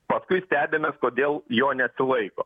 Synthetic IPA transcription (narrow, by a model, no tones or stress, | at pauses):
pɐskʊɪsʲt̪ʲæːbʲemʲeːskoːd̪ʲeːlˠjoːnʲɛt̪ʲsʲɪlˠɐɪkoː